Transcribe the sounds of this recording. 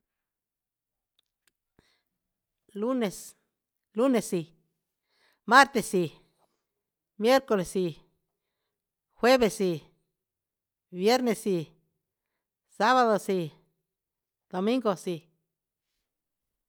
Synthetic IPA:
lu˦ne˨s | lu˦ne˨si˨ | ma˦ɾt̪e˧˨si˧ | mje˦ɾko˧le˨si˧ | xwe˦βe˨si˧ | bje˦ɾne˨si˧ | sa˦βa˧ðo˨si˧ | d̪̥o˨mĩ˦ŋɡo˨si˧

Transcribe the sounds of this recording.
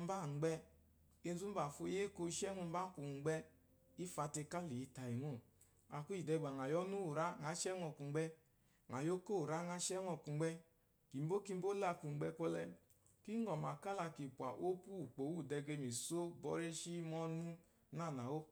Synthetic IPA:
m̩˦ba˦˨ŋ˨ɡ͡bɛ˧ | e˧n˦zu˦m̩˦ba˨fo˧˦je˦ko˧˦˧ʃɛ˦ŋu˧m˦ba˦ku˨ŋ͡mɡ͡bɛ˧ | i˦fa˧te˧ka˦li˨i˦ta˨i˨ŋo˦˨ | a˨ku˦i˨dɛ˧˨ɡ͡ba˨ŋ˨a˨jɔ˦nu˦u˨ɾa˦ŋa˨˦ʃɛ˦ŋɔ˧˨ku˨ŋ͡mɡ͡bɛ˧ | ŋa˨jo˦ko˦u˨ɾa˦ŋa˧ʃɛ˦ŋɔ˧˨ku˨ŋ͡mɡ͡bɛ˧ | ki˨m˦bo˦ki˧˦bo˦la˧ku˨ŋ͡m̩˨ɡ͡bɛ˧kɔ˧lɛ˧ | ki˦ŋɔ˨m˨a˨ka˦la˧ki˨pʷa˨ʔo˦ku˦˨k͡po˨wu˦˨dɛ˧ɡe˧mi˨so˦bɔ˦ɾe˦ʃi˦mɔ˧nu˦ | na˦˨na˨wo˦

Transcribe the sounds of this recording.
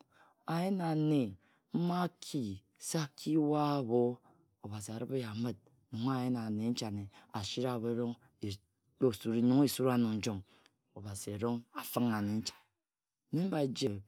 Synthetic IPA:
a˨je˦na˨ne˨ | m̩˦ma˦kʰi˨ | se˦a˨kʰi˦wa˦βo˦ | o˨ba˨si˨a˨ɾɨ˦pe˦ja˨mɨ˦t̚nu˨ŋ˦a˦je˦na˨ne˨˦n̩˦t͡ʃa˨ne˨a˨ʃi˦ɾa˨βe˨˦ɾo˦ŋ˨ | o˨su˨ɾi˨ɲu˦ŋ˦i˨su˦ɾa˦nu˨n̩˨˦d͡ʒo˦˨ŋ | o˨ba˨si˨e˨ɾo˦ŋa˨fɨ˦ŋa˨ne˨n̩˦t͡ʃḁ˨˦ | ni˦m̩˦ba˨e˨d͡ʒe˨

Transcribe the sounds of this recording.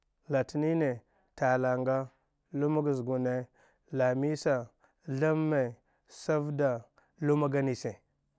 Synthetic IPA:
la˨ti˨ni˦ne˨ | ta˨la˨ŋɡa˦ | lu˦ma˦ɡa˨zɡu˨ne˨˦ | la˨mi˦sa˨ | ɮa˦mːe˨ | sa˦vda˨ | lu˦ma˦ɡa˦ni˨se˨

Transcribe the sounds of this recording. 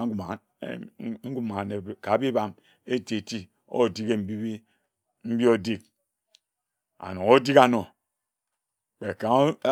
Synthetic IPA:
ŋ̩˦ɡu˨ma˨ | ŋ̩˦ɡu˦ma˨ne˨ka˨˦bi˦ba˦m | e˦te˨ti˦ | o̰˦˨di˦ke˦m̩˨bi˦be˦ | m̩˦bi˦o˦di˦k̚ | a̰˨no˨o˦di˦ka˨no˨ | k͡pe˨ka˨˦

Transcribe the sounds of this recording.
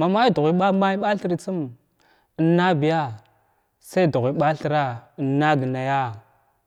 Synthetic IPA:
ma˨ma˦ji˦du˨ɣʷi˨˦ɓa˦ma˦i˦ɓa˦ɬi˦ɾi˨t͡si˦m | ə˨nːa˦bi˨ja˦ | sa˦˨du˨ɣʷi˨˦ɓa˦ɬi˨ɾa˦i˨nːa˦ɡi˨na˨ja˦

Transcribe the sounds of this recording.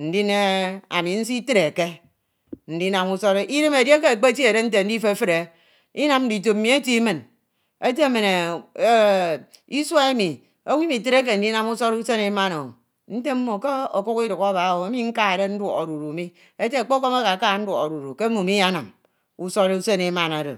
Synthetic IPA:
n̩˨˦di˦ne˦a̰˨mi˨n̩˦si˦ti˦ɾe˨ke˦ | n̩˨di˦na˨mu˦so˦ɾe˦ʔi˦dɨ˦me˨de˦k̬e˦˨k͡pe˦ti˦e˨ɾe˦n̩˦t̬e˨n̩˦di˦fe˦˨˦fɨ˦ɾe˨˦ | i˦na˨mn̩˦di˨t̬o˨m˦mi˨˦e˦ti˦mɨ˨n | e˦te˦me˨ne˨˦ | i˦swa˦e˦mi˨ | o˦wi˦mi˨ti˦ɾe˦k̬e˨n̩˨di˦na˦mu˦so˦ɾu˦se˦ne˨˦ma˦no˨o˨ | n̩˦te˦m̩˦mo˨ke˦o̰˨ku˦ki˦du˨ka˦ba˨˦we˦mi˦ŋ̩˦ka˦e˨ɾe˦n̩˦dwɔ˨o˨ɾu˨ɾu˨mi˦ | e˦te˦a˨k͡po˦ko˦ma˦ka˨ka˦˨˦n̩˦dwɔ̰˨o˨ɾu˨ɾu˨ke˦mu˨mi˦a˦na˨m | u˦so˦ɾe˦u˦se˦ne˨˦ma˦na˨ɾo˨

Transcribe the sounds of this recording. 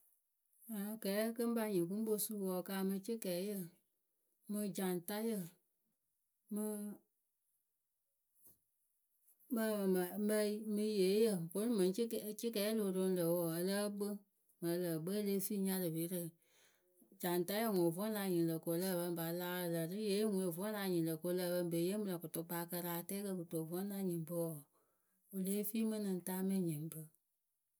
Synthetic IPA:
ã˨kɛː˨˦kə˦n˦ba˧ɲĩ˨ku˦bo˧˦su˦˨wɔ˧˨kaː˧˦mɨ̃˧t͡ʃi˦kɛː˨˦jə˦˨ | mɨ̃˧d͡ʒa˨n˨ta˦jə˧˨ | mɨ˧ | mə˦˨m˨mə˧i˨˦mɨ̃˧jeː˨˦jə˦˨bo˨˦nũ˦mɛ̃˨n˦t͡ʃi˦k̬ɛː˨˦lo˨do˧˦n˦lə˨wɔ˨ə˧lə˦ɓə˦ | mə˨˦lə˨bə˦le˦fi˦ɲa˦ɾɨ˨be˨˦ɾə˨ | d͡ʒa˨n˨ta˦ə˦˨ŋo˨vɔ˦nla˧ɲi˨nlə˨ko˨lə˦˨bə˧m˨ba˨la˦˧lə˨ɾɨ˦je˨˦ŋu˨˦o˨vɔ˦n˦la˧ɲi˨lə˨ko˧˦lə˧˦˨bə˧m˦be˨˦jə˦mɨ˧lə˨kʊ˨tʊ˧k͡pa˧˦kə˧ɾa˧tɛ˦kə˧kɨ˨to˨vɔ˦n˦la˧ɲi˨bɨ˦wɔ˨ | o˨le˦fi˦mɨ˦nɨ˨n˨ta˦me˦ɲi˨m˦bə˦

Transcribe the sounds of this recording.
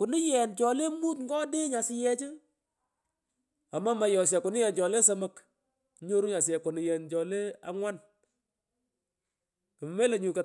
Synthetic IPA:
kʊ˨nɪ˦jɛ˨nt͡ʃɔ˨le˦mu˦t̪ŋɡɔ˦de˦ɲa˨sɪ˨jɛ˦t͡ʃɪ˦ | a˨ma˦ma˨jɔ˨s̬jɛ˨kʊ˨nɪ˦jɛ˨nt͡ʃɔ˨le˦sɐ˦mɐ˦k | ɲo˦ɾu˦ɲa˨s̬jɛ˨kʊ˨nɪ˨jɛ˨nt͡ʃɔ˨le˦a̰˨ŋwa˦n | kə˨m˨me˦le˨ɲu˨kɐ˨

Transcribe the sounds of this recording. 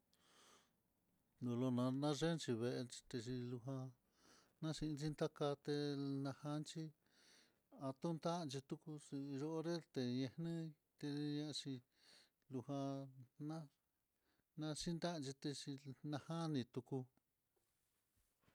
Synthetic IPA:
nd̪o˨lo˧nã˧nã˦ʐe˦nt͡ʃi˧βe˧ʔe˧t͡ʃi̥˧t̪e˧t͡ʃi˧lu˧ɦã˧ | nã˦ʃi˧nt͡ʃi˦nt̪a˦ka˧t̪e˧nã˧ha˧˦nt͡ʃi˦ | a˧t̪u˦nt̪a˦˧nt͡ʃi˧t̪u˦ku˧si˧ʒo˧ʔɾe˦t̪e˧ɲẽ˧hnɨ̃˦ | t̪e˧ɲã˧t͡ʃi˧ | lu˧hã˧nã˦ | nã˧ʃi˦nd̪a˦˧t͡ʃi˧t̪e˧t͡ʃi˧nã˧hã˦nĩ˧t̪u˧ku˧

